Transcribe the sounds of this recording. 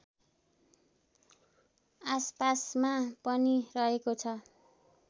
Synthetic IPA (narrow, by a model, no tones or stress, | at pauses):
aspasmapʌnirʌɦekot͡sʰʌ